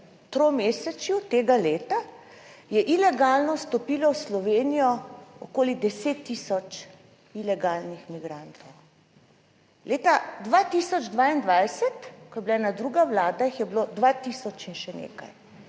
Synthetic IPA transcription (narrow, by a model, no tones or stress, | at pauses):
t̪ɾomeːsɛt͡ʃjut̪eːɡaleːt̪a | jɛʔilɛɡalnɔst̪ɔpiːlɔwslɔʋeːnijɔɔkoːlid̪ɛseːt̪ːisɔt͡ʃ | ilɛɡaːlnixmiɡɾant̪ɔw | leːt̪ad̪ʋat̪isɔd͡ʒd̪ʋaːind̪ʋajsɛt̪kɔjɛbilaɛnad̪ɾuɡawlaːd̪aixjɛbilod̪ʋat̪iːsɔt͡ʃinʃɛnḛːka̰j